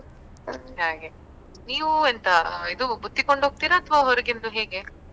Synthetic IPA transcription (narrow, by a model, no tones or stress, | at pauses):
ɦaːɡe | niːʋuɐnt̪ɐid̪ubud̪ːiko̞ɳɖoɡ̚t̪iːɾɐːt̪ʰʋaɦoɾiɡind̪uɦe̞ːɡe̞